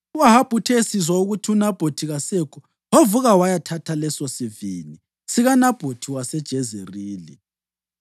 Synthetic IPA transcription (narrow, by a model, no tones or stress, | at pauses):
uwaɦab̥ʱutʰesizwauɣutʰiunab̥ʱotʰiɣasekʰu | hovuɣawajatʰatʰalɛsɔsivini | siɣanab̥ʱotʰiwasɛd̥ʒ̥ʱezeriːlḭ